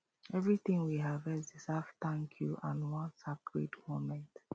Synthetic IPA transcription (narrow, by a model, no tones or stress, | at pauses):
ɛvɹitĩŋwiɦavɛzisaftãŋkʰjuʔãnwɔ̃nsakɹḭdmomɛ̃nt